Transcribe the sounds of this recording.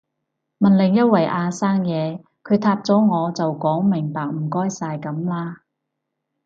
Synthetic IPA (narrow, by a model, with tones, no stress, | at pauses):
mɐ˨nlɪ˨˩ŋjɐ˥t̚wɐ˨˩jʔaː˧saː˥ŋjɛː˨˧ | kʰɵ˨˧ɥt̪ʰaː˧p̚t͡sɔː˨˥ŋɔː˨˧t͡sɐ˨wkɔː˨˥ŋmɪ˨˩ŋpaː˨k̚m̩˨˩kɔː˥jsaː˧jkɐ˨˥mlaː˥